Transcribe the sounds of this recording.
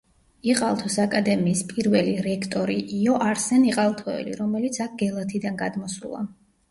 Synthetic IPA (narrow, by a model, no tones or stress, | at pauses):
iqʼalˠt̪ʰɔsakʼad̪ɛmiːspʼiɾvɛliɾɛkʰt̪ʼɔɾiʔiɔʔaɾsɛniqʼalˠt̪ʰɔɛ̰lḭɾɔmɛlit̪sʰak̚ʰɡɛlˠat̪ʰid̪anɡad̪mɔsṵlˠa̰